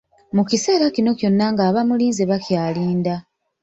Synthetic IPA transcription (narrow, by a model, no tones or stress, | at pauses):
mukise̞ːɾacino̞cjo̞nːaŋɡaːβamuliːnzeβakjaːliːnda